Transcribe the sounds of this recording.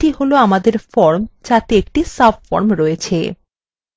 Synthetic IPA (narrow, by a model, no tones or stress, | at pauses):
iɦoloamad̪eɾfɔɾmt͡ɕat̪eek̚ʈisapfɔ̰ɾmɾɔjet͡ɕʰḛ